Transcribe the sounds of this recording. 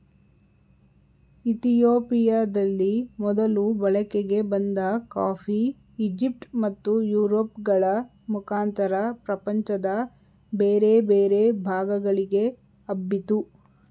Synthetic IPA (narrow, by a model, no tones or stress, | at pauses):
it̪ijoːpijaːd̪ɐlːimɔd̪ɐlubɐɭɐkeɡe̞bɐnd̪ɐkaːpʰiː | d͡ʒip̚ʈmɐt̪ːujuːɾoːpɡɐɭɐ | mukʰaːnt̪ɐɾɐpɾɐpɐɲt͡ʃɐd̪ɐ | beːɾe̞beːɾebʱaːɡɐɡɐɭiɡe̞ | ɐbːit̪u